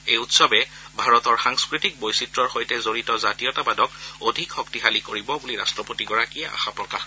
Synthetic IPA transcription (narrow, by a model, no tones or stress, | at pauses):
ejutsɔbɛ | bʱaɹɔtɔɹxaŋskɹitik̚bojsitɹɔɹxojtɛzoɹitɔzatiɔtabadɔkodʱikxɔktiɦalikoɹibɔbuliɹa̰stɹɔpotiɡɔɹakijɛʔa̰xapɹɔkax